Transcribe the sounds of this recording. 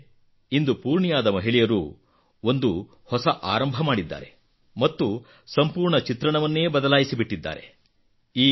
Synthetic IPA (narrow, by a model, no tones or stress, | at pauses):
ind̪upuːɾɳijaːd̪ɐmɐɦiɭɛjɐɾṵ | o̞nd̪u | hɔsɐʔa̰ːɾɐmbʱɐmaːɽid̪ːa̰ːɾe̞ | mɐt̪ːu | sɐmpuːɾɳɐt͡ʃit̪ɾɐɳɐʋɐnːe̞ːbɐd̪ɐlaːjisibiʈːid̪ːa̰ːɾe̞̰ | iː